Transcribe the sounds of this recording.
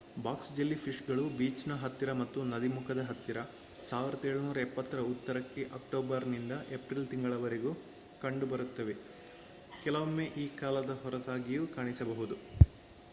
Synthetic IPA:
baːksd͡ʒelːipʰiʂɡɐɭubiːt͡ʃnɐɦɐt̪ːiɾɐmɐt̪ːunɐd̪imukʰɐd̪ɐɦɐt̪ːiɾɐ | saːʋiɾɐd̪eːɭunuːɾɐepːɐt̪ːɐɾɐut̪ːɐɾɐkːeʔɐk̚ʈoːbɐɾnind̪ɐʔepɾilt̪iŋɡɐɭɐʋɐɾeɡu | kɐɳɖubɐɾut̪ːɐʋe̞ | kɛlɐʋɐmːeːʔiːkaːlɐd̪ɐɦɔɾɐt̪aːɡijukaːɳisɐbɐɦud̪u

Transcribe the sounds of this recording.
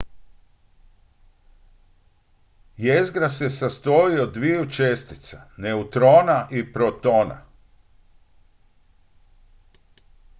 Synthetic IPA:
jezɡɾasesast̪oiod̪ʋijut͡ʃest̪i̥t̪saneut̪ɾo̞ːnaʔipɾot̪o̞ːna̰

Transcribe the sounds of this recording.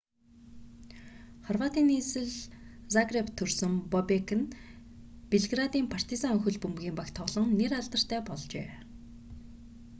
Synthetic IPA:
χɔrwaːt̪iːnːiːsɘ̆ɮsaɡrept̪ʰːɵrsɵ̆mpɔpekʰɘ̆n | peɮɡrat̪iːmpʰar̥t̪izaŋɵxɵ̆ɮpɵmɣʲiːmpakt̪ʰɔɮɞ̆ŋneraɮt̪ə̆r̥t̪ʰæːpɔɮt͡ɕḛː

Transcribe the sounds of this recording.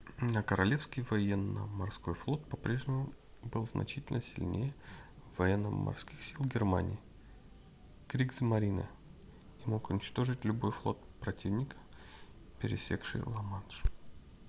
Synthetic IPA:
əkəɾɐlʲe̞fskʲɪjvɐjenːə̰mɐrsko̞jflˠo̞t̪̚pɐpɾʲe̞ʐnʲɪmʊ | bɨlˠznʔɐ̰t͡ɕitʲɪlʲnəsʲɪ̰lʲnʲejəvɐjenːəmɐ̰rskʲixsʲilˠɡʲɪrma̰nʲɪ̰ː | kɾʲiɡzmɐɾʲinɨ̰ | imo̞kʊnʲɪt͡ɕt̪o̞ʐɨtʲlʲʊbo̞jflˠo̞t̪pɾɐtʲʰivnʲɪkə̥ | pʲɪɾʲɪ̰sʲḛkʂɨ̰jlˠɐmanʂ

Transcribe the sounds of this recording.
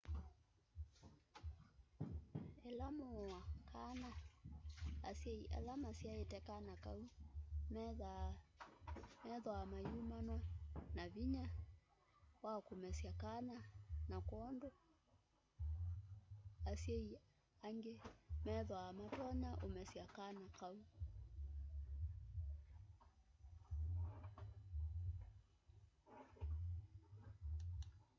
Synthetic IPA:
ɛlamoakʰana | sjɛiʔɛ̰lamasjaetɛkanaka̰um | mɛðwamajumanwanaviɲa | wakomɛsjakananakɔːndo | asei | aŋɡemɛðɔamatɔɲaʔomɛsiakanakau

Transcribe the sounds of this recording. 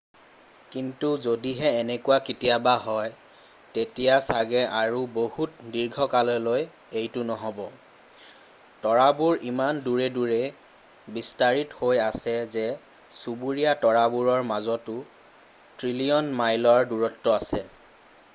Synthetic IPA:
kintuzodiɦɛːnɛkuwakitijabaɦɔj | tetijasaɡɛʔaɹubohut̚diɹɡʱɔkalɔloj | ejtʊnɔɦɔbɔ | tɔɹabuɹimanduɹɛduɹɛ | bistaɹithojasɛzɛ | subuɹijatɔɹabuɹɔɹmazɔtʊ | tɹiliɔnmajlɔɹduɹɔtːɔasɛ

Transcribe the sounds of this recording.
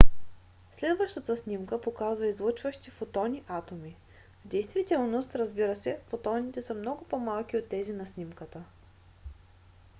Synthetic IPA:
slɛd̪vəʃt̪ət̪əsnimkəpokazvəizlˠət͡ʃvəʃt̪ifot̪ɔnʲiʔat̪omi | vd̪ɛjst̪vit̪ɛlˠnost̪ɾəzbiɾəsɛfot̪ɔnʲit̪ɛsəmnɔɡʊpɔmalˠk̟iot̪ːɛzinɐsnimkət̪ə

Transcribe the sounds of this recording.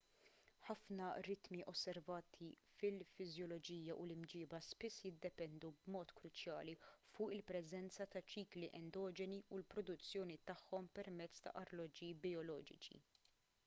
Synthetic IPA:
ħɐfnɐɾɪt̪miʔɔsːɛɾvɐːt̪ʰi | fɪlfɪzjɔlɔd͡ʒiːjɐʔulɪmd͡ʒɪːbɐspɪsːjɪd̪ːɛpɛnd̪ubmɔːt̪kɾʊt͡ʃjɐ̰ːlifʊːʔɪlpɾɛzɛnt͡sɐt̪ɐt͡ʃiːkliʔɛnd̪ɔːd͡ʒɛniulpɾɔd̪ʊt͡sːjɔːnit̪ɐħːɔmpɛɾmɛt͡sːt̪ɐ̰ʔɐɾlɔd͡ʒibiɔlɔːd͡ʒɪ̰t͡ʃḭ

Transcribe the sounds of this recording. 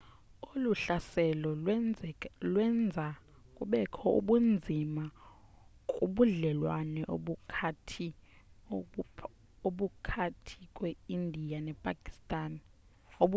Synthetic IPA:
oluɬasɛlɔ | lwɛnd͡zʱa | kʼuɓɛkʰɔṵɓund͡zʱima | kʼuɓuɮɛlwanɛʔoɓukʰatʰi | oɓukʰatʰikʼweindʱijanɛpʼakʼi̥stʼaːni | oɓ

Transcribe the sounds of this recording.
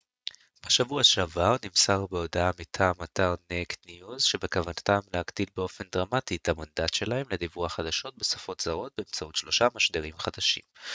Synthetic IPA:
b̥aʃavuaʃeavaʁnimsaʁbeo̞daamitʰaːmataʁnektniuzʃe̞be̞kavanatamlehaɡd̪ilbeo̞fe̞nd̪ʁamatitamandatʃe̞lahe̞mledivuaχad̪aʃo̞t̚be̞sḁfo̞tz̥aʁo̞t̚beemt͡sautʃlo̞ʃamaʃd̪eʁimχad̪aʃḭm

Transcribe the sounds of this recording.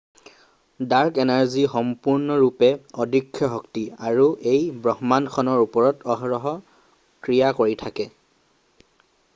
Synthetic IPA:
daɹkɛnaɹzixɔmpuɹnɔɹupɛɔdʱikʰːjɔɦɔktiaɹuʔejbɹɔɦmankʰɔnɔɹupɔɹɔtʰɔɦɔɹɔɦɔ | kɹijakoɹitʰakɛ

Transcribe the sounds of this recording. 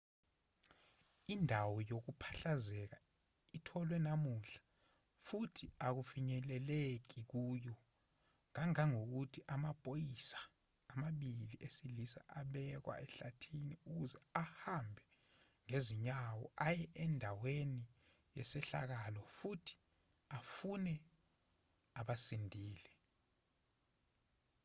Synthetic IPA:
indʱawɔjok̬upʰḁɬazɛk̬a | itʰɔlwɛnamuɬḁ | futʰiak̬ufiɲɛlɛlek̬ik̬uːjɔ | ŋaŋaŋok̬utʰiʔamapʼojisḁː | maɓiliʔesilisa̰ʔaɓɛk̬wa̰ɛɬatʰiniuk̬uzɛahambʱɛ | ŋeziɲawɔ̰ajɛʔɛndʱaweni | jɛ̰sɛɬa̰k̬alɔfutʰi̥ | afunɛ | aɓasindʱiːlɛ

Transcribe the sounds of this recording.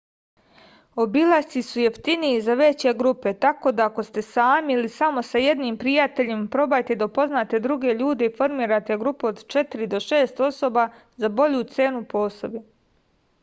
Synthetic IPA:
o̞bilˠasisuje̞ft̪iniizaʋe̞t͡ɕeɡɾupe̞t̪ako̞d̪aːko̞st̪e̞saːmiilisamo̞saje̞d̪niːmpɾijat̪e̞ʎimpɾo̞bajt̪ed̪apo̞znaːt̪e̞d̪ɾuɡe̞ʎuːd̪e̞ifo̞ɾmiːɾat̪e̞ɡɾupuod̪t͡ʃe̞t̪iɾid̪o̞ʃeːst̪o̞so̞ba | zabo̞ʎut̪se̞ːnupo̞ːsobi

